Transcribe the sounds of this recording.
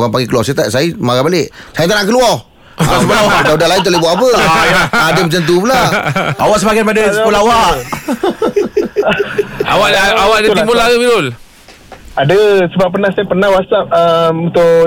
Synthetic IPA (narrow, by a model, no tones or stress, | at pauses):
kaŋpaŋɡekəluwɔsat̪asajimaɣabaleʔsajət̪anaʔkəluɔh | a̰səbaaaudalaint̪uʔlebɔʔap̬ə | adəmət͡ʃant̪̬upulaawaʔsəbaɡanpadasmulawaʔʔ | awaʔawaʔdəimbulaəmilʊl | adəsəbapːənahsaipənahwasap̚əmut̪ʊʔ